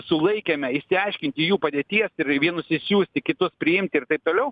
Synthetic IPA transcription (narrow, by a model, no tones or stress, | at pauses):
sʊlˠɐɪkʲemʲɛɪʃʲsʲɪɐɪʃʲkʲɪnʲt̪ʲɪijuːpɐd̪ʲeɛt̪ʲiɛsɪɾʋʲiɛnʊsɪsʲjuːsʲt̪ʲɪkʲɪt̪ʊspʲɾʲɪɪmʲt̪ʲɪɪrt̪ɐɪp̚t̪oːlʲɛʊ